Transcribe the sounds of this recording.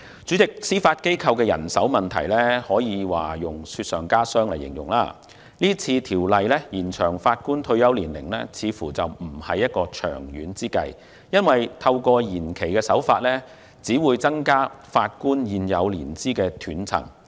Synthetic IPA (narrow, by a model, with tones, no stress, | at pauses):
t͡sy˨˥t͡sɪ˨k̚siː˥faː˧t̚ke˥jkʰɐ˧wkɛː˧jɐ̰˨˩nsɐ˨˥wmɐ˨nt̪ʰɐ̰˨˩jlɛː˥hɔː˨˥jiː˨˧waː˨˩jʊ˨˩ŋsyː˧t̚sœː˨˩ŋkaː˥sœː˥ŋlɐ˨˩jːɪ̰˨˩ŋjʊ̰˨˩ŋla̰ː˧ | liː˥t͡sʰiː˧t̪ʰiː˨˩wlɐ˨jlɛː˥jiː˨˩nt͡ʃʰœː˨˩ŋfaː˧t̚kuː˥nt̪ʰɵ˧ɥjɐ˥wliː˨˩nlɪ˨˩ŋlɛ̰˥t͡sʰiː˨˥fuː˨˩t͡sɐ˨wm̩˨˩hɐ˨jːɐ˥t̚kɔː˧t͡ʃʰœ̰ː˨˩ŋjyː˨˥nt͡siː˥kɐ˧j | jɐ˥nwɐ˨jt̪ʰɐ˧wkɔː˧jiː˨˩nkʰe˨˩jkɛː˧sɐ˨˥wfaː˧t̚lɛː˥ | t͡siː˨˥wuː˨˧jt͡sɐ˥ŋkaː˥faː˧t̚kuː˥njiː˨njɐ˨˧wliː˨˩nt͡siː˥kɛː˧t̪ʰyː˨˥nt͡sʰɐ̰˨˩ŋ